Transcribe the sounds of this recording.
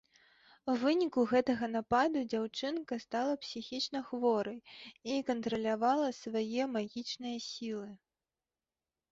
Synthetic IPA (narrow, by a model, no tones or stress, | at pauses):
wvɨnʲikuɣɛt̪ɐɣɐnapad̪ud͡zʲawt͡ʂɨnkɐst̪alˠɐpsʲixʲit͡ʂnɐxvɔɾɐjikɐnt̪ɾɐlʲavalˠɐsvajɛmaɣʲit͡ʂnɨjɐsʲilˠɨ